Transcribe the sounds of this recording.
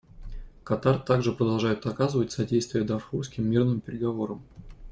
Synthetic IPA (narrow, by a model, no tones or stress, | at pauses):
kɐt̪art̪aɡʐɨpɾəd̪ɐlˠʐajʊt̪ɐkazɨvətʲsɐdʲejst̪vʲɪjəd̪ɐfxufskʲɪmːʲirnɨmpʲɪɾʲɪɡɐvo̞ɾəm